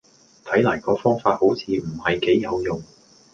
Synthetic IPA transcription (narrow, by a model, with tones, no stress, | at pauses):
t̪ʰɐ˨˥jlaː˨˩jkɔː˨˧fɔː˥ŋfaː˧t̚ho˨˥wt͡sʰiː˨˧m̩˨˩hɐ˨jke˨˥jːɐ˨˧wjʊ˨˩ŋ